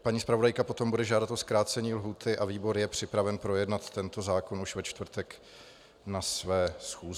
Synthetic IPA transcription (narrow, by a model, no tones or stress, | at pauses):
paɲiːspɾavo̞dajkapo̞t̪o̞mbudɛʒaːdat̪o̞skɾaːt͡sɛɲiːlɦuːt̪ʰɪʔaviːbo̞ɾjɛpr̝̥ɪpɾavɛnpɾo̞jɛdnat̪ːɛnt̪o̞zaːko̞nuʃvɛt͡ʃt̪vr̩t̪ɛk | nasvɛːsxuːzɪ